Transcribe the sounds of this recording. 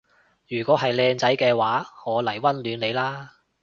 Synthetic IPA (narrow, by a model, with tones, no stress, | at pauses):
jyː˨˩kʷɔː˨˥ɦɐ˨jlɛː˧ŋt͡sɐ˨˥jkɛː˧waː˨˥ŋɔː˨˧lɐ˨˩jwɐ˥nlyː˨˧nle˨˧jlaː˥